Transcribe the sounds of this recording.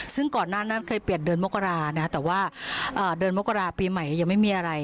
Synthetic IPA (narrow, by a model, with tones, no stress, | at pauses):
sɯ˥˩ŋkɔː˨˩nːaː˥˩na˦˥˩nkʰɤː˧jpi˨˩ət̪̚dɤː˧nmo˦˥kːa˧ɾaː˧na˧˦˥a˥˩t̪ɛː˨˩waː˥˩ʔɤː˨˩dɤː˧nmo˦˥kːa˧ɾaː˧piː˧ma˨˩ja˧˩ja˨˩ŋma˥˩jmiː˧ʔa˧ɾa˧j